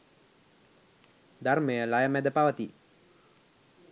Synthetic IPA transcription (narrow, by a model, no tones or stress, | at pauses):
d̪arməjəlajəmɛd̪əpaʋət̪i